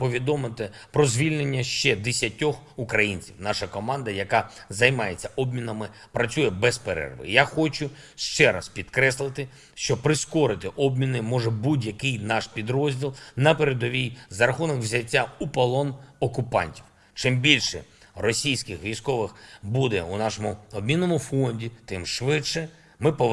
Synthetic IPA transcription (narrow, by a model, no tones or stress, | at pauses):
pɔʋʲid̪ɔmɪt̪ɪpɾɔzʲʋʲilʲnenʲːɐʃt͡ʃɛd̪esʲjɐtʲɔxukɾɐjinʲt͡sʲiwnɑʃɐkɔmɑnd̪ɐjɐkɑzɐjmɑjet͡sʲːɐʔɔbmʲinɐmɪ | pɾɐt͡sʲujɛbɛspeɾɛ̰rʋɪ̰jaxɔt͡ʃʊ | ʃt͡ʃɛɾɐspʲid̪kɾɛslˠɪt̪ɪ | ʃt͡ʃɔpɾɪskɔɾɪt̪ɪʔɔbmʲinɪmɔʐɛbudʲjɐkɪjnɑʃpʲid̪ɾɔzʲdʲilˠnɐpeɾed̪ɔʋʲijzɐɾɐxunɔkwzʲɐtʲːaupɐlˠɔnɔkʊpɑ̰nʲtʲiw | t͡ʃɪmbʲilʲʃɛ | rɔsʲijsʲkɪxʋʲijskɔʋɪxbud̪ɛunɑʃɔmʊɔb̚ʲmʲinːɔmʊfɔnʲdʲit̪ɪmʃʋɪʃɛ | mɪpɔ